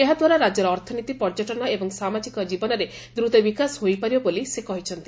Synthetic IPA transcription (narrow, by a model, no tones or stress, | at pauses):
eɦad̪waɾaɾad͡ʒɔɾɔːɾt̪ʰɔnit̪ipɔɾd͡ʒɔʈɔnɔebɔŋsamad͡ʒikɔd͡ʒibɔnɔɾe | d̪ɾut̪ɔbikasɦojpaɾibɔbolisekɔɦit͡ʃʰɔnt̪i